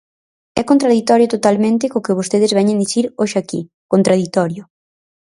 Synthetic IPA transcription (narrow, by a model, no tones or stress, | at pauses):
ɛkont̪ɾað̞it̪ɔɾjʊt̪ot̪almẽnt̪ɪkokɪβ̞ost̪eð̞ɪzβɛɲend̪iθiɾoʃeakḭ | kont̪ɾað̞it̪ɔɾjʊ